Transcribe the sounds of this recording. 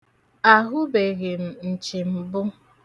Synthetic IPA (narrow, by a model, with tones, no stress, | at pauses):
a˨ɦʊ˦be˨ɣe˨m̩˨n̩˨t͡ʃi˨m̩˨bʊ˦